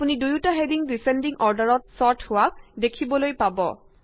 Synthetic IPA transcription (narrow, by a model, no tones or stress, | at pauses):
punidujutaɦediŋdisendiŋɔɹdaɹɔt̚sɔɹtʰhʊwak̚dekʰibɔlojpabɔ̰